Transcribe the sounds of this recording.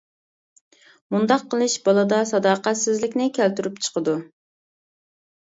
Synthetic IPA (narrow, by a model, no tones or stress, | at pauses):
mund̪ɑqʰːəlˠɨʃbɑlˠɨd̪ɑsɑd̪ɑːqæt̪sɪzlɪkʲnɪkʲʰælt̪yɾypt͡ʃʰə̥qʰəd̪u